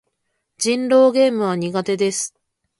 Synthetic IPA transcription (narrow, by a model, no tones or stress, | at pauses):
d͡ʑĩnɾo̞ːɡe̞ːmɯ̟β̞aɲ̟iɡat̪e̞d̪e̞sɨ̥